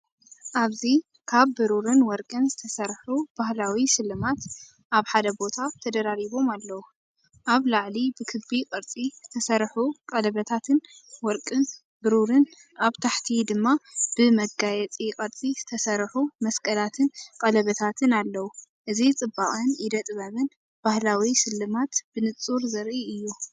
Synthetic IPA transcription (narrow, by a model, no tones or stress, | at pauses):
ʔaβzi | kʰaβːɨɾuɾɨnwɔɾkʼɨnzɨt̪ʰɐsɐɾħub̥ahlawiʃɨlːɨmat̪ | ʔaβħad̪ɐbo̞t̪ʰat̪ʰɐd̪ɐɾaɾiβo̞malːɐwu | ʔaβlaʕlibɨkʰɨbikʼɐɾt͡sʼizɨt̪ʰɐsɐɾħuqʼɐlɐβɐt̪ʰat̪ʰɨnwɔɾkʼɨn | bɨɾuɾɨn | ʔaβt̪ʰaħt̪ʰid̪ɨmːab̥ɨmɐɡajɛt͡sʼiqʼɐɾt͡sʼizɨt̪ʰɐsɐɾħumɐskʼɐlat̪ʰɨnkʼɐlɐβɐt̪ʰat̪ʰɨnalːɐwu | ʔɨzit͡sʼɨbːaʔʼɨnjɪd̪ɐt̪ʼβɐmɨn | b̥ahlawisɨlːɨmat̪b̥ɨnɨt͡sʼːuɾzɐɾʔiɨjːu